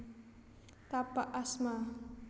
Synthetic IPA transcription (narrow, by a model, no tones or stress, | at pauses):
t̪apaʔasma